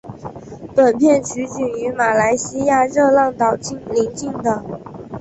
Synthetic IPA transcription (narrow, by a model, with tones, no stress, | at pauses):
t̪wə˨˩npʰjɛ˥˩nt͡ɕʰy˧˥t͡ɕy˨˩y˧˥ma˨˩la˧˥ɪɕi˥ja˥˧ɻɤ˥˧lɑ˥˩ŋt̪ɑ˨˩ʊt͡ɕi˥˩ŋli˧˥ŋt͡ɕi˥˩ŋd̪ə˨˩˦